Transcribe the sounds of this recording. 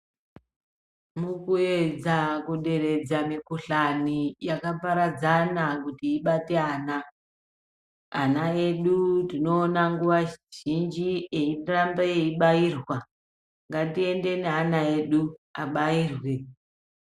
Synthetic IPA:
mukue̞d͡zakuɗe̞ɾe̞d͡zamikuɬanijakapaɾad͡zanakutiːɓate̞aːna | anae̞ɗutino̞ːnaŋɡuʋaʒ̥ind͡ʒie̞irambaeiɓairwa | ŋɡatie̞nde̞neɦanae̞ɗuaɓaiːrwe̞

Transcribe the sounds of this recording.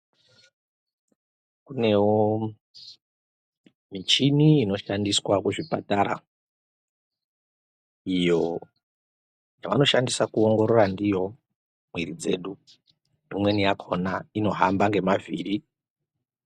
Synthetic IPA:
kune̞wo | mit͡ʃiniːno̞ʃandiswakuʐipataɾa̰ | ijo̞ | jaʋano̞ʃandisakuoŋɡo̞ɾorandijo̞ | mwiɾid͡ze̞̰ɗu | umwe̞nijakʰo̞naino̞ɦambaŋɡe̞mavḭːri

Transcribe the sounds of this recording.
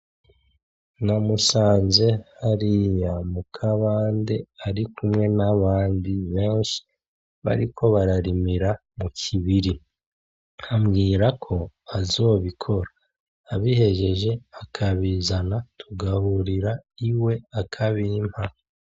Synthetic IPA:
namusaːnze̞haɾijamukʰaβaːnde̞aɾikumŋe̞naβaːndiβe̞ːnʃi̥ | βa̰ɾikʰo̞βaɾaɾimiɾa | mukʰiβiɾi | hamɡiːɾakʰo̞ | azo̞ːβikʰo̞ɾaː | βihe̞ʒe̞ʒe̞akʰaβizanatʰuɡahuɾiɾaiwe̞akʰaβim̥ha

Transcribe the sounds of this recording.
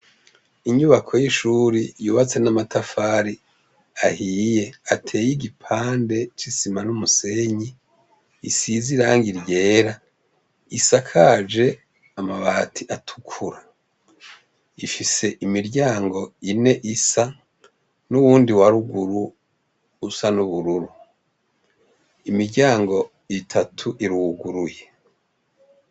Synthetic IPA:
iɲuβakʰo̞jiʃuːɾijuːβat͡se̞namatʰafaːɾi | ahiːje̞atʰe̞ːjiɡipʰaːnde̞t͡ʃisimanumuse̞ɲi | isiziɾaːŋɡiɾje̞ːɾa | isakʰad͡ʒe̞ | amaβaːtʰiʔatʰu̥kʰuɾa | ifise̞ʔimiɾɟaːŋɡo̞ine̞ʔisa | nuwuːndiwaɾuɡuɾuː | sanuβuɾuɾu | imiɾɟaːŋɡo̞ | itʰatʰuʔiɾuɡuɾuje̞

